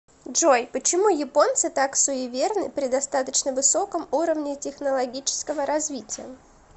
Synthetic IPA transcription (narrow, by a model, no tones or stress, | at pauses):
ʐojpət͡ɕɪmujɪpo̞nt̪sɨt̪aksʊɪvʲernɨpɾʲɪd̪ɐst̪at̪ət͡ɕnəvɨso̞kəmuɾəvnʲɪtʲɪxnəlˠɐɡʲit͡ɕɪ̥skəvəɾɐzvʲitʲɪjə̰